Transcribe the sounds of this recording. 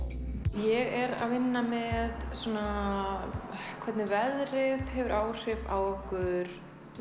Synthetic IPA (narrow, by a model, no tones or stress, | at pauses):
jɛɣɛɾa̰ðvɪnːamɛðsuːna | kʰvɛt̪nɪvɛðɾɪðhɛvʏɾʔaːwr̥ɪva̰wɔhkʏɾ̥